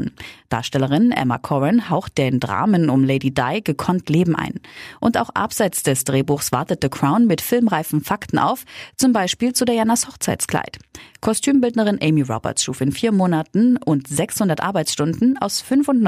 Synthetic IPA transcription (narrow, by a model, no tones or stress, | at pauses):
d̥a̰ːɐʃtɛləʁɪnʔɛ̰ma̰kʰɔʁɛnhaʊxt̚d̥eːndʁa̰ːmənʊmleɪdida̰ɪɡəkʰɔntʰleːbm̩ʔa̰ɪnʔʊnta̰ʊxʔa̰pz̥aɪt͡sd̥ɛsd̥ʁeːbuːxsv̥aɐtət̚dəkʁ̥aʊnmɪtfɪlmʁaɪfn̩faktn̩ʔa̰ʊft͡sʊmbaɪʃpiːlt͡sudeːɐjanashɔχt͡saɪtt͡skl̥a̰ɪtkʰɔstʰyːmbɪldnəʁ̞ɪnʔɛɪmiʁɔ̰bɛ̰ɐtsʃuːfɪnfiːɐmoːnatn̩ʔʊntz̥ɛkshʊndɐtʔa̰ɐbaɪt͡ssʃtʊndn̩a̰ʊsfʏnfʊnn